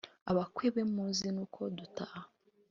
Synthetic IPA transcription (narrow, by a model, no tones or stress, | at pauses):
aβakweβemmuːzinuːkʰoduta